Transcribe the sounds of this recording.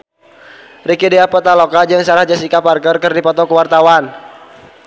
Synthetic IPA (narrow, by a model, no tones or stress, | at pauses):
rikideapɔt̪alɔkad͡ʒɨŋsaɾahd͡ʒasikaparkərkərdipɔt̪ɔkəwart̪awan